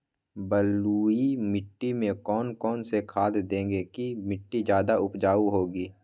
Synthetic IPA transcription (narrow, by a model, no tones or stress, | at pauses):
bəluːimɪʈːimẽkɔːnkɔːnsekʰaːd̪d̪ẽːŋɡekimɪʈːid͡ʒjaːd̪aʊpd͡ʒaːuɦoːɡiː